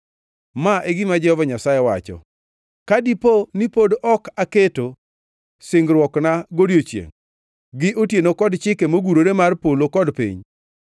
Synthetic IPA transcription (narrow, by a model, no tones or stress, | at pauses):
maʔeɡɪmad͡ʒɛhɔvaɲasajɛwat͡ʃɔ̰ | kadiponipodɔkaketo | sɪŋɡɾwɔknaɡodjot͡ʃjḛŋ | ɡɪʔotjenokɔdt͡ʃɪkemoɡuɾoɾemarpolokɔdpḭɲ